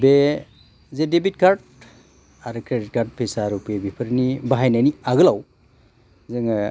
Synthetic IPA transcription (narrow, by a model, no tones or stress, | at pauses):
be | zedebit̚kʰaɾd̚ | aɾɯkʰɾedit̚kʰaɾt̚pʰesaɾupebipʰɯɾnibaɦajnajniaɡɯlaw | zɯŋ